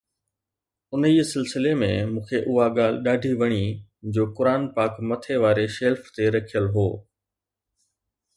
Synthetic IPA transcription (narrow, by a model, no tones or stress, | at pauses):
ʊniːsɪlsɪlemẽmũːkʰeʔʊɦaɠaːl̤ɪɗaːɖʱiʋɐɽ̃id͡ʑoːkʊɾaːnpaːkmɐt̪ʰeʋaːɾeʃeːlft̪eɾɐkʰijəlɦoː